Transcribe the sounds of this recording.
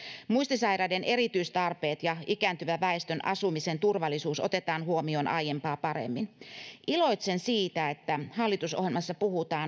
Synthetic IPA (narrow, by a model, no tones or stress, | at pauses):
muist̪isɑjɾɑdenʔe̞ɾit̪yist̪ɑrpe̞ːt̪jɑikæːnt̪yʋæʋæest̪ønʔɑ̰sumisent̪urʋɑlːisuːsot̪e̞t̪ɑːnhuomio̞ːnʔɑ̰jempɑːpɑɾḛmːinʔilo̞jt̪sensiːt̪æet̪ːæhɑlːit̪uso̰ɦjelmɑsːɑpuhut̪ɑːn